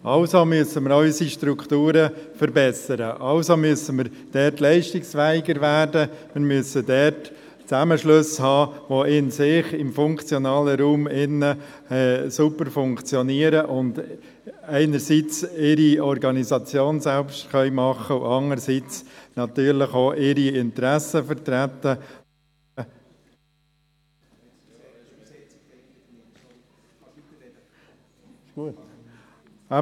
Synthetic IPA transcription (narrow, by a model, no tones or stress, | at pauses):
ʔɑʊsomyəsəməɾœʏsiʃtɾuktuːɾəfəɾbɛsəɾəʔɑʊsomyəsəməɾ | d̥ɛːtlɛɪʃtɪksfɛːɪɡəɾʋæːrdəmɪɾmyəsədɛt | t͡sæməʃlɵshɑːʋoɪnsɪχɪmfʊŋkt͡sjɔnɑːləɾuːmɪnə | ɛsupəɾfʊŋkt͡sjɔniəɾəʔʊnd | ɛɪnəɾsit͡sɪɾiɔɾɡɑnizɑt͡sjoːnsælpʃtχœʏmɑχəʊʔɑŋəɾsit͡snɑt̪yːɾləχoːʔɪɾiɪnt̪ɾæsəfəɾt̪ɾæt̪ːə | u